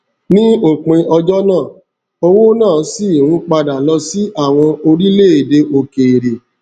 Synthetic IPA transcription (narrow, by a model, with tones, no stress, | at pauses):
nĩ˦o˦˨k͡pẽ˧ʔɔ˧d͡ʒɔ˦nãː˦˨ | o˧wo˦nãː˦˨˦si˦˨ũ˦k͡pa˧da˨lɔ˧si˦ʔa˦˨w̃ɔ̃˧o˧ɾi˦le˦˨e˨de˧ʔo˨ke˨ɾe˨